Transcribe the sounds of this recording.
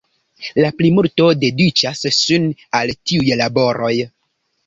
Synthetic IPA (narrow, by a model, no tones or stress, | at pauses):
laplimulto̞de̞dit͡ʃasːunaltiujlabo̞ɾʔo̞j